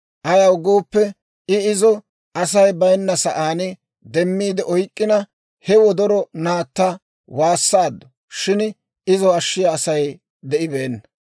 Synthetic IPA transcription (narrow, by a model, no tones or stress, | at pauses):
ʔɐjɐwʊɡoːpːɛ | ɪɪzɔ | ɐsɐjbɐjnːɐsɐʔaːnɪ | d̪ɛmːiːd̪ɛʔɔjkʼːɪnɐ | hɛwɔd̪ɔɾɔnaːt̪ːɐ | waːsːaːd̪ːɔ̥ | ʃɪn | ɪzɔɐʃːɪjɐːsɐj | d̪ɛʔɪbe̞ːnːɐ